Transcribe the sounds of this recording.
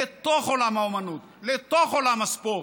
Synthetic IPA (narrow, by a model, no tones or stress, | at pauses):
et̪oχolamaomɐnut̪ | let̪oχolamaspo